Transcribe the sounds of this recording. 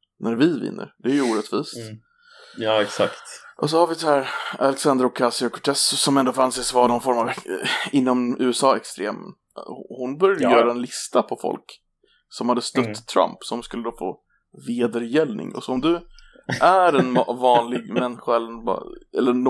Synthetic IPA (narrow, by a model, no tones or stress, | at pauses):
næɾvɪvɪ̰nːə̰ɾd̪ɛːɾjuːɾɛt̪viːst̪ | ɑːɛksakt̪ʔɔsɔhaɾvɪshæːɾalɛksand̪ɾɔkʰːasɪɔkʰɔʈʰɛssɔmɛnd̪oːfansɪsvanɔnfɔɾmavɛɪnːɔmʉ̟ːɛsɑːɛkst̪ɾḛːm | hʊnbœɾjad̪əjœːɾaɛnlɪst̪apʰɔfɔ̰lk | sɔmhad̪ːəst̪œt̪ːʰɾa̰mpsɔmskɵlːəd̪oːfo̰ː | veːd̪əɾjɛlnɪ̰ŋɔ̰sɔɔmd̪ɵ | ʔæɾɛnvɑːnlɪɡmɛnɧaɛlːəɛnb̰ɛ̰lːəɾn